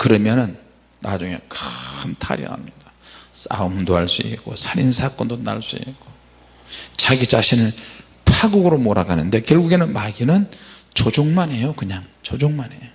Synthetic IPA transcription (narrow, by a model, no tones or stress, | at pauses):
kɯɾʌmjʌnɯnː | ad͡ʑuŋe̞̰kɯntʰa̰ɾḭna̰mɲidas͈a̰ɯmdohaɭs͈uḭk͈osʰaɾinsʰak͈ʌndona̰ɭs͈uḭk͈o | t͡ɕaɡit͡ɕaɕʰinɯɭ | pʰaɡuɡɯɾomoɾaɡanɯnde̞kjʌɭɡuɡe̞nɯnmaɡinɯnt͡ɕod͡ʑoŋmane̞jokɯɲaŋt͡ɕod͡ʑoŋmane̞jo